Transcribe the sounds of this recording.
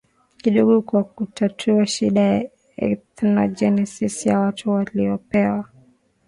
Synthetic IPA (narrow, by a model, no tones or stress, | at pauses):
kiɗɔɠɔkwakutatʰuaʃiɗaja | ɛ̰θnɔd͡ʒɛnɛsisjawatʰuwaliɔpɛwa